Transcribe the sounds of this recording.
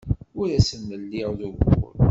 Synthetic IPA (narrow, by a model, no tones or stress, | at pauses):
ʊɾæsənːəlːiʁðuvʊ̰l